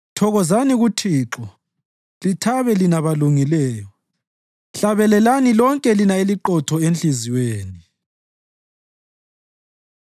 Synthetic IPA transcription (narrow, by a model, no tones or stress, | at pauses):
tʰɔɣɔzaniɣutʰiːǁɔ | litʰaβɛlinaβaluŋilɛːjɔ | ɬaβɛlɛlanilɔŋkʼɛlinaeliǃɔtʰɔenɬiziweːni